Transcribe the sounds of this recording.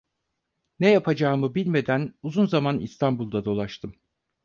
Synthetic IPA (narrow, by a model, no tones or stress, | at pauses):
nejapʰad͡ʒaːmɯbilʲme̞d̪ænuzunzamanḭst̪ʰanbulˠd̪ad̪o̞lˠaʃt̪ʰɯm